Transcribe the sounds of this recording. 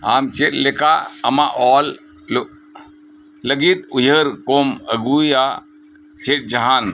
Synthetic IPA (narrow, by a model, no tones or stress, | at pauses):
aːmt͡ʃet̚lekaɐmaʔɔːl | ləɡit̪̚ujəɾkomə̰ɡua | t͡ʃet̚d͡ʒɐɦan